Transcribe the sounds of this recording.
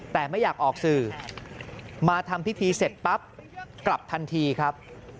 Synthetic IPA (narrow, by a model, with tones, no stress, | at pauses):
t̪ɛː˨˩ma˥˩jaː˨˩k̚ʔɔː˨˩k̚sɯː˨˩ | maː˧t̪ʰa˧mpʰi˦˥t̪ʰiː˧se˨˩t̪̚pa˦˥p̚kla˨˩p̚t̪ʰa˧nt̪ʰiː˧kʰɾa˦˥p̚